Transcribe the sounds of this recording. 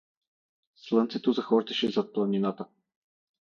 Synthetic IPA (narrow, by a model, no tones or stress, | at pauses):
slˠɤnt̪sɛt̪ozɐxɔɾt̪ɛʃɛzat̪̚plˠaninat̪ə